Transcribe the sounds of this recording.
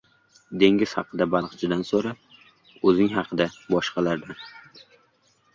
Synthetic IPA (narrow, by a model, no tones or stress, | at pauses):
d̪e̞ŋʲɪz̥hɑ̰qʰɨd̪abɑlˠqt͡ʃʰɪd̪ansoɾa | ɵzɪŋɦɑqʰɨd̪abɒʃqɑlaɾd̪an